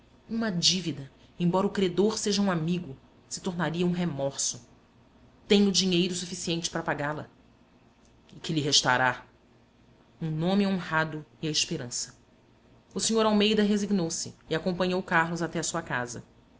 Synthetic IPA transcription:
ũmɐd͡ʒivid̪ɐ | ẽj̃bɔɾɐʊkɾed̪oɾseʒɐũamiɡʊ | sɪ̥t̪oɾnaɾiɐũɦemɔɾsʊ | t̪ẽj̃ʊd͡ʒiɲejɾʊsufisiẽnt͡ʃɪ̥pɾɐpaɡalɐ | ɪkɪlɪɦeʃt̪a̰ɾa | ũnõmɪõhad̪ʊɪɐɪʃpeɾɐ̃sɐ̥ | ʊsiɲoɾawmejd̪ɐɦeziɡnowsɪːakõmpɐ̃ɲowkahlʊzat̪ɛɐsuɐka̰zɐ̰

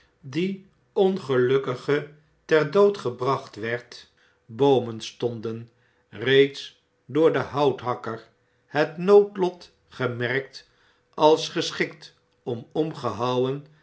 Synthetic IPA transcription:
di | ɔnχəlɵkəχə | tɛɹdowtχəbrɑχtʋɛɹt | bowmənstɔndən | rejts | dʊːɹdəɦʌwtɦɑkəɹ | hətnowtlɔt | χəmɛɹk̚t | ɑlˠsχəsχɪkt | ɔmɔmχəɦɑwən

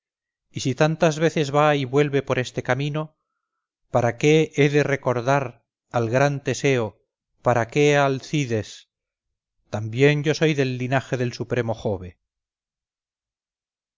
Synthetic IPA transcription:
isit̪ant̪azβe̞θe̞zβaiβwe̞lβe̞po̞ɾe̞st̪e̞kamĩno̞ | paɾake̞eðe̞re̞ko̞ɾðaɾ | alɣɾant̪e̞se̞o | paɾake̞alθiðe̞s | t̪ambje̞nɟ͡ʝoso̞jðe̞lːinaxe̞ðe̞lsupɾe̞mo̞xo̞βe̞

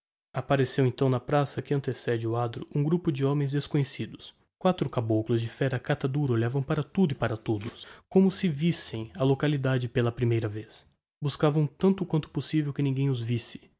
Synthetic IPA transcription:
apaɾesewẽnt̪ɐ̃w̃nɐpɾasɐkɪɐ̃nt̪esɛd͡ʒɪʊad̪ɾʊʔũɡɾupʊd͡ʒɪõmẽj̃zd̪eskõɲesid̪ʊs | kwat̪ɾʊkabowkʊlʊzd͡ʒɪfɛɾɐkat̪ad̪uɾɐoʎavɐ̃w̃paɾɐt̪ud̪ʊɪpaɾɐt̪od̪ʊskõmʊsɪvisẽj̃ɐlokalid̪ad͡ʒɪpelɐpɾimejɾɐves | buskavɐ̃w̃t̪ɐ̃nt̪ʊkwɐ̃nt̪ʊ̥posivewkɪnĩɡẽj̃ʊzvisɪ̥

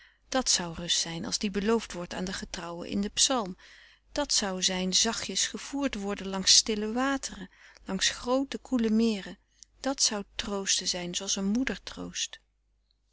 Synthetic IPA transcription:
d̥ɑtsʌwrɵstsɛjnɑ̰lˠzdibəlowftʋɔɹta̰ːndəχətrɑwə̰nʔɪ̰ndəpsɑlˠm | d̥ɑtsʌwzɛjnzɑχjəsχəv̥uːɹtʋɔɹdənlɑŋsːtɪləʋaːtərəlɑŋsχrowtəkʰuləmɪːrə | d̥ɑtsʌwtrowstəzɛjnzoɑlˠsənmudəɹtro̰wst

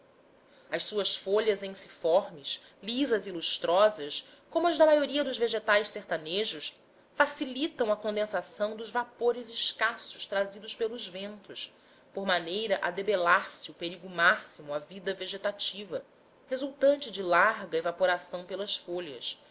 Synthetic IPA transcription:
ɐʃsuɐsfoʎɐzẽj̃si̥fɔɾmɪʃ | lizɐziluʃt̪ɾɔzɐs | kõmʊɐzd̪ɐmajoɾiɐd̪ʊzveʒet̪ajsseht̪aneʒʊʃ | fasilit̪ɐ̃w̃ɐkõnd̪ẽsasɐ̃w̃d̪ʊzvapoɾɪzɪʃkasʊ̥ʃt̪ɾazid̪ʊʃpelʊzvẽnt̪ʊs | poɾmanejɾɐʔad̪ebelaɾsɪʊpeɾiɡʊmasimʊavid̪ɐveʒet̪at͡ʃivɐ | hezuwt̪ɐ̃nt͡ʃɪd͡ʒɪlaɾɡɐevapoɾasɐ̃w̃pelɐsfoʎɐ̰s

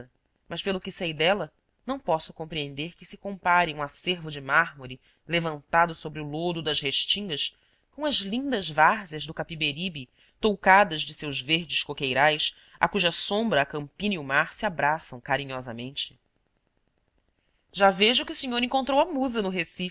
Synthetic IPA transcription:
ɐ | mɐʃpelˠʊkɪsejd̪ɛlɐ | nɐ̃w̃pɔsʊ̥kõmpɾiẽnd̪eɾkɪsɪ̥kõpaɾɪũaseɾvʊd͡ʒɪmaɦmoɾi | levɐ̃nt̪ad̪ʊsobɾɪʊlod̪ʊd̪ɐʃheʃt͡ʃĩŋɡɐʃ | kõw̃ɐzlĩnd̪ɐzvaɾzɐzd̪ʊkapibeɾibi | t̪owkad̪ɐzd͡ʒɪsewʒveɾd͡ʒɪʃkokejɾajs | a̰kuʒɐsõmbɾɐːkɐ̃mpĩniumaɾsiabɾasɐ̃w̃kaɾĩɲɔzɐmẽnt͡ʃɪ̥ | ʒaveʒʊkʲɪusiɲoɾẽŋkõnt̪ɾowɐmuzɐnʊɦesi

